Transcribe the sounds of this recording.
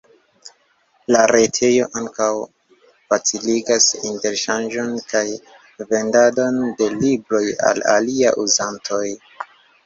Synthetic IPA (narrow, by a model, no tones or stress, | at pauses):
laɾe̞tʰe̞jo̞ʔaŋkaw | fat͡siliɡasinte̞ɾʃand͡ʒo̞nkaj | ve̞ndado̞nde̞libɾo̞ja̰la̰lia̰ʔuzantʰo̞j